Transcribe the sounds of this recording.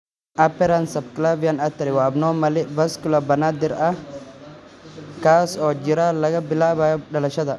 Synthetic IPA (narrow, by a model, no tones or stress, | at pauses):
ʔɐpːɛɾɐnsɐbkɪlabɪjɐnɐt̪ːɐɾɪwaːbnoːmɐlɛbɐskʊlɐbɐnad̪ɪɾʔɐ | kaːsoːd͡ʒɪɾalɐɡɐbɪlabajɗɐlɐʃɐd̪ɐ